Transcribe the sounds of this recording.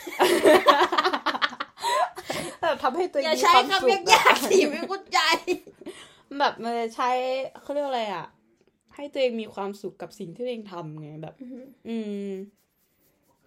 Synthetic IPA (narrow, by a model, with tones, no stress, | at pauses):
bɛː˨˩p̚t̪ʰa˧mha˥˩jt̪u˧ʔːmːi˧a˦˥waː˧mka˧˥se˥˩k̚jaː˧˩˥k̚iː˧˩ma˥˩kʰu˥˩t̪̚ja˧j | bɛː˨˩p̚ʔɤː˧t͡ɕʰa˦˥jʰa˥˩wɾi˥˩ək̚a˧jʔa̰˨˩ʔ | ha˥˩jt̪u˧əʔeː˧ŋmiː˧kʰwaː˧msu˨˩kːa˨˩p̚si˨˩ŋt̪ʰiː˥˩wːeː˧ŋt̪ʰa˧mŋa˧˩bɛ̰ː˨˩p̚ʔɯː˧